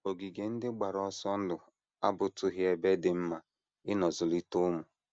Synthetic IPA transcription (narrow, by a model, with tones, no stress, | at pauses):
o˨ɡi˨ɡe˨n̩˦dɪ˦ɡ͡ba˨ɾɔ˦sɔ˦n̩˦dʊ˨ | a̰˦bʊ˨tʊ˦ɦɪ˦e˦be˦dɪ˨m̩˦ma˦ | ɪ˦nɔ˨zʊ˨li˦tʊ˦mʊ˨